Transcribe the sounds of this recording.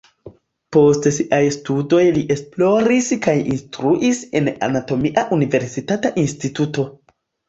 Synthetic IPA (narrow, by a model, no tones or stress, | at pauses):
po̞stsiʔajstudo̞jliʔe̞splo̞ɾiskajḭnstɾuʔise̞na̰nato̞miʔaʔunive̞ɾsitataʔinstituto̞